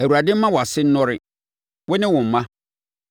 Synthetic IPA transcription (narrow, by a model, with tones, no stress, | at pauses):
æ˨wu˨ɾa˨dɪ̃˦m̩˦mã˦wɔ˨a˨sɪ˦n̩˦nɔ̃˦ɾɪ˦ | wʊ˦nɪ̃˦wʊ̃˨m̩˨mã˦